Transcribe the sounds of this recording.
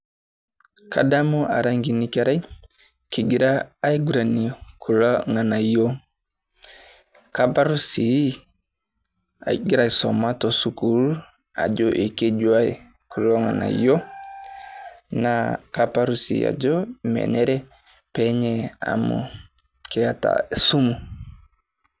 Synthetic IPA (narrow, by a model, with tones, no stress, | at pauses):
ka˨da˦mɔ˦ʔa˨ɾa˦ŋɡi˨ni˦ka˦ɾa˦i˦ | ki˨ɡi˨ɾaː˦i˦ɡu˨ɾa˨ni˨kʰu˨lɔ˦ŋa˨na˨jo˦ | ka˦pa˦ɾu˦si˨˦ | a̰˨ɡi˦ɾa˨i˨sɔ̰˨ma˦tɔ˨su˦ku˨˦ɾu˦ | a̰˨d͡ʒɔ˦ʔe˨ke˦d͡ʒwa˦i˨ | ku˨lɔ˦ŋa̰˨na̰˨jɔ˦ | na˨ka˦pa˦ɾu˦sḭ˨a̰˨d͡ʒɔ˦mɛ̰˨nɛ˦ɾɛ˦ | pɛ˦ɲɛ˨a̰˨mṵ˨ | kɛ˨a˦ta̰˨su˦mu˨